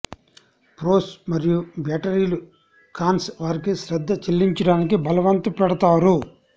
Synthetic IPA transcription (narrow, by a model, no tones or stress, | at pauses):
pɾoːsmɐɾijubaːʈɐɾiːlu | kaːnsʋaːɾikiʃɾɐd̪ʱːɐt͡ʃelːiɲt͡ʃɐɽaːnikibɐlɐʋɐnt̪upɛɽɐt̪aːɾu